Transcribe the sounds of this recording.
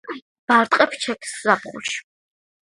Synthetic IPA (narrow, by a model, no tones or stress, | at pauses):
b̥aɾt̪ʼqʼɛpʰt͡ʃʰɛkʰszabχṵʃ